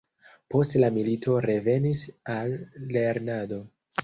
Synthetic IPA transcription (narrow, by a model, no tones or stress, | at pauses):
po̞stlamilitʰo̞ɾe̞ve̞nisalːe̞ɾnado̞